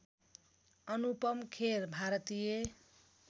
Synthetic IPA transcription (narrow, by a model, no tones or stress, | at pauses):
ʌnupʌmkʰeɾbʱaɾʌt̪ije